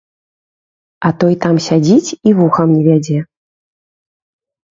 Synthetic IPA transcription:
ɐt̪ɔjt̪amsʲad͡zʲit͡sʲivuxɐmnʲɛvʲad͡zʲɛ

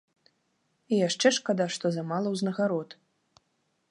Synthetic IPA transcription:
ijaʂt͡ʂɛʂkad̪aʂt̪ɔzɐmalˠɐwznɐɣaɾɔt̪

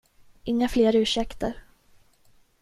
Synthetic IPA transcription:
ʔɪŋːafleːɾʉ̟ːʂɛkt̪ʰəɾ

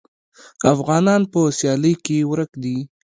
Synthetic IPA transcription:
afɣɑnɑnpəsjɑləjkewɾəkd̪i

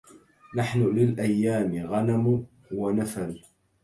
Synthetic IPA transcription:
naħnʊlɪlʔajːaːmɪɣanam | wanafal

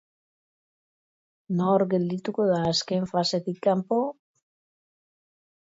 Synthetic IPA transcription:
noɾɡe̞ld̪it̪uko̞ðaːskeɱfase̞t̪ikːampo

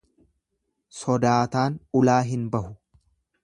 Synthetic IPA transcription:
sɔd̪aːt̪aːnʊlaːɦɪnbɐhʊ

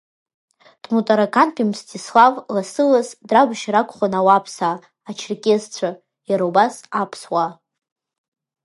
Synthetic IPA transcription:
tʼmutʼaɾakʰanpʰʼimstʰislavlasɨlasdrabʃɾakʷʰʼχʷanawapʰsa | at͡ʃʰrkʲʼezt͡ɕʷʰa | jaɾawbasapʰswa

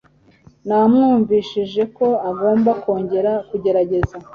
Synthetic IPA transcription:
namŋuːɱviːʃiʒe̞ko̞aɡo̞ːmbako̞ːɲɟe̞ɾakuɟe̞ɾaɟe̞za

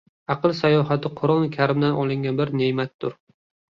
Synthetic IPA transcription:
ɑqʰɨlˠsajɒɦat̪ʰɪqʰʊɾɒnkʲʰaɾɪmd̪anʔɒlˠɪŋɡʲanbɪɾnemat̪ːʊɾ

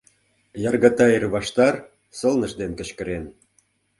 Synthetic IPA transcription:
jɑrɣɑt̪ɑerβɑʃt̪ɑr | sɤ̆lnə̆ʃd̪enkə̆t͡ɕkə̆ɾen

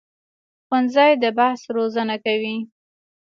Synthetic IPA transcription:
xwanzɑjd̪əbahsɾozənakawi

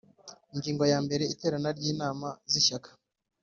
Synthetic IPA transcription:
iŋɡiːŋɡo̞jaːmbe̞ɾe̞ite̞ːɾanaɾɟiːnaːmaziʃakḁ

